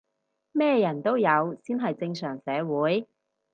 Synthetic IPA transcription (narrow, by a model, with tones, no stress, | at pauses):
mɛː˥jɐ˨˩nt̪o˥wjɐ˨˧wsiː˥nɦɐ˨jt͡sɪ˧ŋsœː˨˩ŋsɛː˨˧wuː˨˥j